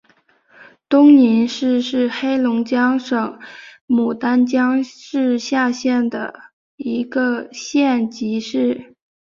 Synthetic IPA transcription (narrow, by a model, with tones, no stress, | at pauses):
t̪ʊ˥ŋni˧˥nʂɻ̩˥˧ʂɻ̩˥˩xe˥ɪlʊ˧˥ŋt͡ɕjɑ˥ŋʂɤ˨˩˦ŋmu˨˩t̪a˥nt͡ɕjɑ˥ŋʂɻ̩˥˧ɕja˥˧ɕjɛ˥˩nd̪ə̰˩ | i˧˥ɡə˧ɕjɛ˥˩nt͡ɕi˧˥ʂɻ̩˥˩